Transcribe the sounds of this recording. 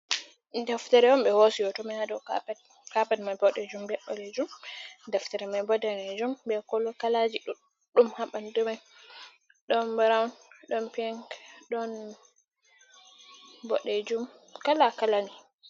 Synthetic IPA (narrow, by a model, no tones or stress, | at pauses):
daftaɾɛwɔmɓɛhosijɔtɔmahadɔkaɛ | kapɛdmabɔɗɛd͡ʒumbɛɓːɔlɛd͡ʒumdɛftaɾɛmajbɔdɛnɛd͡ʒumbɛkɔlɔkalad͡ʒiɗ | ɗumhaɓandumaj | ɗɔnbɾawnɗɔnpɛŋɡɗɔn | bɔ̰ɗɛd͡ʒumkalakalani